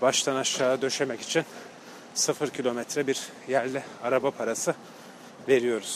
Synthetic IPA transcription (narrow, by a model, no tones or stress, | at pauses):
baʃt̪ʰˠanaʃlˠaːad̪ø̞ʃe̞mɛci̥t͡ʃʰin | sɯfɯɾcʰilʲo̞mɛt̪ʰɾɛbiɾ | jæɾlʲɛaɾabapʰaɾasɯ | ve̞ɾijo̞ɾuz̥